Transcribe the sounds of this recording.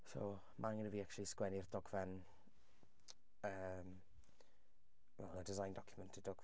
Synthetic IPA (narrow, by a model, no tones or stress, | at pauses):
so̰w | mʔaŋənəviːak̚t͡ʃʊlˠiskwɛnɪrd̥ɔɡvɛn | əːm | wɛ̰lˠədɪzajndɔkʰjʊmɛntʰɪddɔɡ